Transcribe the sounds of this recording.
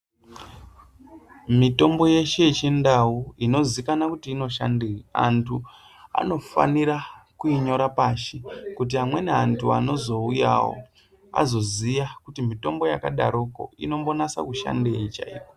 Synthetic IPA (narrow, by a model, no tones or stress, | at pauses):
mito̞mbo̞je̞ʃe̞it͡ʃindauino̞zikanakutiːno̞ʃa̰ndiria̰ntʰu | a̰no̞fa̰niɾakuiɲo̞ɾapaʃikutiɦamwe̞neantʰua̰no̞zo̞uja̰wo̰ | a̰zo̞zijakutimito̞mbo̞jakaɗa̰ɾoko̞̰ino̞mbo̞nasa̰kuʃa̰ndeit͡ʃa̰ḭːko